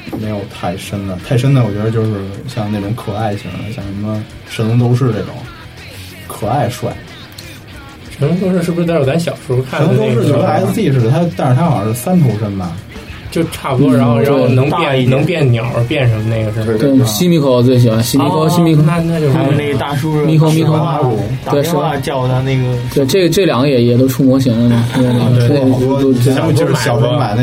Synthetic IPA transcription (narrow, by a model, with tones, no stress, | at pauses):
me˧˥ɪjo˨˩ʊt̪ʰa˥˩ɪʂə˥nd̪ə˩t̪ʰa˥˩ɪʂə˥nd̪ə˨wɔ˨˩t͡ɕɥɛ˧˥d̪ə˧t͡ɕjo˥˧ʊʂɻ̩˥˩ɕjɑ˥˧ŋne˥˩ɪʈ͡ʂʊ˧˥ŋkʰɤ˨˩a˥˩ɪɕḭ˧˥˩ŋa̰˧˥ɪɕjɑ̰˨˩ŋʂə˧˥mə˧ | ʂə˧˥n˥ŋt̪̬o˥ʊʂ̬ɻ̩˥˧ʈ͡ʂe˥˩ɪʈ͡ʂʊ̰˨˩˦ŋ | kʰɤ˨˩a˥˩ɪʂwa̰˥˩ɪ | ʂə˧˥nu˥ŋt̪o˥ʊʂɻ̩˧ʂɻ̩˥˩˧ʂɻ̩˥˧˥a˥nɕ̬jɑ˨˩ʊʂu˧˥u˥kʰa˥˩n˧˥˧t͡ɕɥɛ˧˥ə˧xa˥ɪ˥˧˥i˥˩ʂɻ̩˥˩d̪ə˨˩a˥t̪a˥˧n̩˥˩t̪ʰa˥xɑ˨˩ə˞˧˥˩sa˥nt̪ʰo˧˥ʂə˥nbɐ˨ | t͡ɕjo˥˧ʊʈ͡ʂʰa˥˩pu˧˥˩t̪we˩˥nɤ˧˥ŋjnɤ˧˥ŋpjɛ˥˩nnjɑ˨˩˦ʊə̰˞˧˥pjɛ˥˩nʈ͡ʂʰɤ˧˥ŋə˧ne˥˩ɡə˩ʂt̪we˥˩ɕi˥mi˧˥kʰʊ˧˩t͡swe˥˩i˨˩xwa˧˥nɕi˥mi˧˥kʰo˧˥˧ɕi˥mi˧˥kʰn˥˧t͡ɕo˥˧ʂne˥˩ɡt̪a˥˩ʂu˥mi˥kʰo˥mi˥kʰ | t̪we˥˩ɪʂɻ̩˥˩˧t͡ɕɑ˥˩ʊa˥˧ne˥˩ɡə˩t̪we˥˧ɪʈ͡ʂɤ˥˩ɡə˩ʈ͡ʂɤ˥˩ljɑ˨˥ŋɡə˧jɛ˨˩jɛ˨˩t̪̬o˥ʊʈ͡ʂʰu˥˩mwɔ˧˥ɕ̬i˧˥ŋlə˧d̪ə˩t̪e˥˩t̪wst͡ɕt̪m˧t͡ɕjo˥˧ʂɻ̩˥˩ɕjɑ˨˩o˧˥ma˨˩n˧